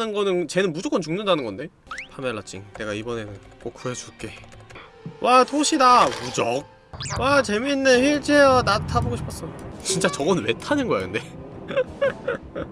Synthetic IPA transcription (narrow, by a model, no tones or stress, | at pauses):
ɯnɡʌnɯnt͡ɕe̞nɯnmud͡ʑok͈ʌnt͡ɕuŋnɯndanɯnɡʌnde̞ | pʰameɭːat͡ɕ͈ʰiŋne̞ɡaibʌne̞nɯn | kok̚k͈ʰuet͡ɕuɭk͈e̞ | wʔatʰoɕʰidamud͡ʑʌk̚ | wat͡ɕe̞minːeçiɭt͡ɕʰeejʌnatʰaboɡoɕʰi̥p͈ʰʌs͈ʌjot͡ɕint͡ɕ͈at͡ɕʌɡʌnwetʰanɯnɡʌa̰ɯnde̞